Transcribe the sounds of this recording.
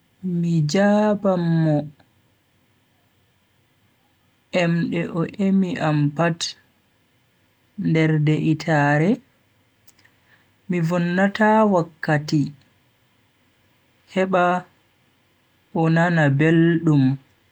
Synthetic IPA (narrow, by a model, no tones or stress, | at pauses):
mid͡ʒaːbamːɔ | ʔɛmɗɛʔɔʔemiʔampat | ndɛɾdɛʔitʰaɾɛ | mivɔnːatawakːati | hɛɓa | ʔɔnanabelɗum